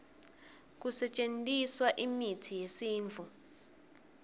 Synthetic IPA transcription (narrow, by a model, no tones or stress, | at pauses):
k̬usɛt͡ʃʼentʼiswaʔimitʰijesiːnd͡ɮʱu